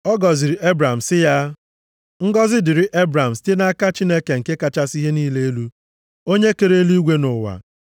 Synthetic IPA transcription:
ɔ˦ɡɔ˨zɪ˨ɾi˨ʔe˦bɾa˨m̩˨sɪ˦ja˦ | ŋ̩˦ɡɔ˦zɪ˦dɪ˨ɾɪ˨ʔe˦bɾa˨m̩˨ste˦na˦ka˦t͡ʃi˦ne˦ke˨ŋ̩˨ke˦ka˦t͡ʃa˦si˦ɦe˦niː˦le˦e˦lu˦ | o˦ɲe˦ke˨ɾe˦lu˦ɡʷe˦nʊ˨wa̰˨

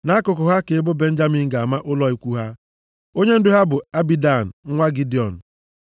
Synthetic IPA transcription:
na˨˦kʊ˨kʊ˨ɦa˦ke˨˦bʊ˦be˦n̩˦d͡ʒa˦mi˦ŋ̩˦ɡa˨a˨ma˦ʔʊ˦lɔ˦i˦kʷu˦ɦa˦ | o˦ɲe˦n̩˦dʊ˦ɦa˦bʊ˨a˦bi˦da˨n̩˨ŋ̩˦ŋʷa˦ɡi˦di˨ɔ˨n̩˨

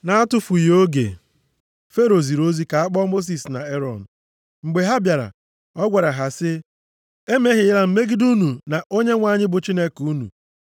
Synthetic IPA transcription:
na˦a˦tʊ˦fu˨jo˦ɡḛ˨ | fe˦ɾo˨zi˨ɾo˦zi˦ka˨a˦k͡pɔ˦mo˦s̬i˨sna˨e˦ɾɔ˨n̩˨ | ŋ͡m̩˨ɡ͡be˨ɦa˦bja˨ɾa̰˨ | ɔ˦ɡʷa˨ɾa˨ɦa˨sɪ˦ | e˦me˦ɦɪ˨˦la˦m̩˨me˦ɡi˦du˦nu˨na˨ʔo˦ɲe˦ŋʷa˨˦˨ɲɪ˦bʊ˨t͡ʃi˦ne˦ku˦nṵ˨

